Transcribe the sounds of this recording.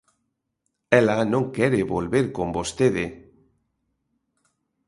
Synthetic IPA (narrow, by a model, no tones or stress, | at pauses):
ɛlanõŋkɛɾeβolβeɾkombost̪eðe